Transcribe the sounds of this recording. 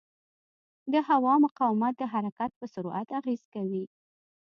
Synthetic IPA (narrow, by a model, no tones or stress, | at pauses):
d̪əhawɑmʊqɑwɪmat̪̚d̪əɦaɾakat̪̚pəsʊɾuʔat̪aɣezkawi